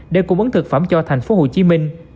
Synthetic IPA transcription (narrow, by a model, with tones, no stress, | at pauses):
ɗe˧˩kʊ˨˧˩ŋ͡mʔɨ˨˦ŋt̪ʰɨ˨˩k̚faː˧˩mt͡ɕɔ˧t̪ʰa˨˩jŋ̟fo˨˦ɦo˨˩t͡ɕi˨˦mï˧ŋ̟